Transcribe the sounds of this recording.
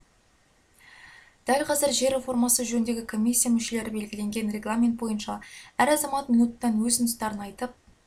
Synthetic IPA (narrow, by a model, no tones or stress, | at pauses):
d̪̥ælqʰɑzɪɾʒe̞ɾe̞fo̞rmɑsəʒɵnnd̪e̞ɡʲɪkʰo̞mʲijsʲːijamʏʃe̞le̞ɾɪbe̞lɡʲɪle̞ŋɡʲe̞nre̞ɡlˠamʲe̞nt̪̚bo̞jənʃɑæɾɑzɑmɑt̪mʲijnut̪ːɑnwɵzɪnɪst̪ɑɾənɑjt̪əp̚